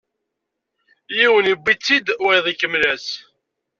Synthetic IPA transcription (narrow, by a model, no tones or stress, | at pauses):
jiwənibːit͡sːid̪wiðˤikəmlæs